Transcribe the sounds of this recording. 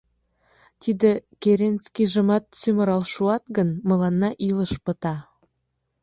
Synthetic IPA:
t̪id̪ɘ̆kʲeɾʲensʲkʲiʒə̆mɑt̪̚symə̆ɾɑlˠʃuɑt̪ɡə̆nmɤ̆lˠɑnːɑʔilˠəʃpɤ̆t̪ɑ

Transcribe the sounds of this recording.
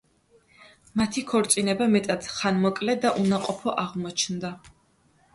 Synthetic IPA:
mat̪ʰikʰɔɾt̪sʼinɛbamɛt̪ʼad̪̥χanmɔkʼlɛd̪aʔunaqʼɔpʰɔʔaʁmɔt͡ʃʰnd̪a

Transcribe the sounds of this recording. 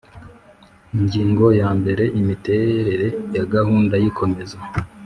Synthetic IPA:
iɲɟiːŋɡo̞jaːmbe̞ɾe̞ʔimite̞ɾeeɾe̞ɾe̞jaɡahuːndajikʰo̞me̞za

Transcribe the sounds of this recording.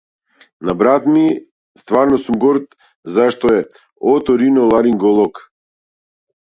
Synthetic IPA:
nabɾat̪mi | st̪vaɾnɔsumɡɔɾt̪ | zaʃt̪ɔɛ | ɔt̪ɔɾinɔlˠaɾiŋɡɔlˠɔk

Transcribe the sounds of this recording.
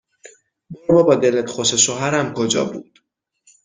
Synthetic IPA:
bɒɾbɒːbɒːd̪elet̪xoseʃoɦæɾæmkʰod͡ʒɒ̰ːbuːd̪̥

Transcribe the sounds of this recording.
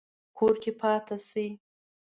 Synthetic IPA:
kʰoɾkʲepʰɑt̪ʰasij

